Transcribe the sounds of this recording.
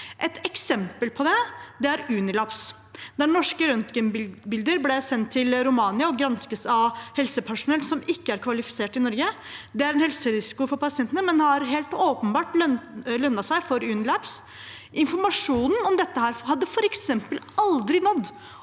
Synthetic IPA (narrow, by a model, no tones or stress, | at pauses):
ʔɛt̪ɛksɛmpəlpʰɔd̪ɛd̪ɛæɾʉːnɪlɑps | d̪ænɔʂkəɾœnt̪ɡənbɪld̪əɾblɛsɛnt̪ʰːɪlɾʊmɑːnɪɑɔɡɾɑnskəsɑʋhɛlsəpʰæʂʊnɛlsɔmɪkːəæɾkʰʋɑlɪfɪ̥seːʈɪnɔɾɡə | d̪ɛæɾɛnhɛlsəɾɪsɪ̥kʊfɔɾpɑsɪɛnt̪ənəmɛnhɑɾɦeːlt̪oːpənbɑːʈllœnːɑsæɪfɔɾʉːnɪlɑps | ʔɪnfɔɾmɑʂuːnn̩ɔmd̪ɛt̪ːəhæːɾhɑd̪ːəfɔɾɛksɛmpəlɑld̪ɾɪnɔd̪ː